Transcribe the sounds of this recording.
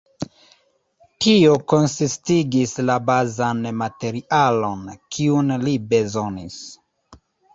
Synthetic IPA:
tio̞ko̞nsistiɡislabazanmate̞ɾiʔalo̞nkʰiunlibe̞zo̞nis

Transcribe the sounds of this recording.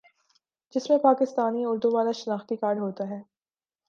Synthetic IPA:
d͡ʒɪsmẽpaːkɪst̪aːniʊɾd̪uʋaːlaʃɐnaːxt̪ikaːɾɖɦoːt̪aɦɛː

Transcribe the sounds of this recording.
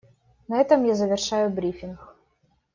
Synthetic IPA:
nɐɛt̪ɐmjazəvʲɪrʂajʊbɾʲifʲɪnx

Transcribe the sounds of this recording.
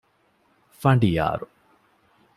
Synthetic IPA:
fɐɳɖija̰ːɾu

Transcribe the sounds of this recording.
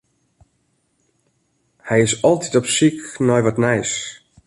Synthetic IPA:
hɛjɪsɔlˠtitɔpsiknɔjʋɔtnɛjs

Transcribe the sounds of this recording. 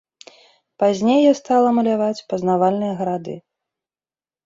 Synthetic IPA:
pazʲnʲejɛst̪alˠɐmɐlʲavat͡sʲpɐznavalʲnɨjɐɣɐɾad̪ɨ̰

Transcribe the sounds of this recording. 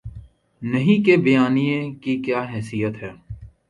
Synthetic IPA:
nɐɦĩkebɪjaːnijẽkikjaːɦɛːsijət̪ɦɛː

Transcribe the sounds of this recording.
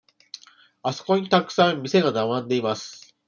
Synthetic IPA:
aso̞̥ko̞ɲ̟it̪akɯ̥sãmmʲise̞ɡanamãnd̪e̞imasɨ̥

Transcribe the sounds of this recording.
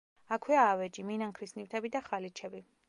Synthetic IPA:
akʰwɛaːvɛd͡ʒiminaŋkʰɾisnift̪ʰɛbid̪aχalit͡ʃʰɛbi

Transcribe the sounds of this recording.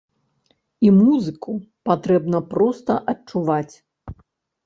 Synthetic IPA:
imuzɨkupat̪ɾɛbnɐpɾɔst̪ɐʔɐt͡ʂuvat͡sʲ

